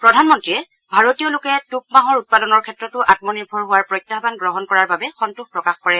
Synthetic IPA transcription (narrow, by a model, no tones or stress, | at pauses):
pɹɔdʱanmɔntɹiɛ | bʱaɹotijɔlʊkɛtuk̚maɦɔɹut̚padɔnɔɹkʰɛtɹɔtʊʔatmɔniɹbʱɔɹɦʊwaɹpɹɔjtːaɦbanɡɹɔɦɔnkɔɹaɹbabɛxɔntuxpɹɔkaxkɔɹɛ